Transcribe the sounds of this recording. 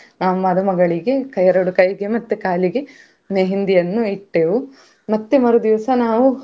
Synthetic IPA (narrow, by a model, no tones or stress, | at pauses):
naːʋumɐd̪ɐmɐɡɐɭiɡe̞kɐjɐɾɐɽukɐjɡemɐt̪ːekaːliɡe̞ | neːɦind̪ijɐnːuiʈːeːʋu | mɐt̪ːemɐɾud̪iʋɐsɐnaːʋu